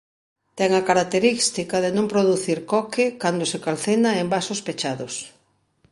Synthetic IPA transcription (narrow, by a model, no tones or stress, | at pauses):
t̪ɛŋɐkaɾak̚t̪eɾist̪ikɐðenõmpɾoðuθiɾkɔkɪkand̪osekalθenaembasʊspet͡ʃaðʊs